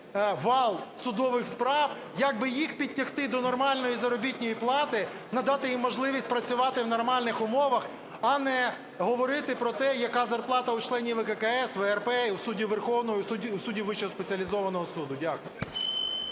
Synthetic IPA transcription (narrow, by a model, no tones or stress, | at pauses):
ʋɑlˠsʊd̪ɔʋɪxspɾɑw | jɐɡ̚bɪjixpʲid̚ʲtʲːɐxt̪ɪd̪ɔnɔrmɑlʲnɔjizɐɾɔbʲitʲnʲɔjiplˠɑt̪ɪ | nɐd̪ɑt̪ɪjimːɔʒlˠɪʋʲisʲt̚ʲpɾɐt͡sʲʊʋɑt̪ɪwnɔrmɑlʲnɪxʊmɔʋɐx | ɐnɛ | ɦɔʋɔɾɪt̪ɪpɾɔt̪ɛjɐkɑzɐrplˠɑt̪ɐut͡ʃlˠɛnʲiʋɛkɛkɐɛsʋɛɛrpɛiwsudʲiʋerxɔwnɔjɔsuiusudʲiʋɪt͡ʃɔɔspet͡sʲiɐlʲizɔʋɐnɔɦɔsud̪ʊdʲakʊj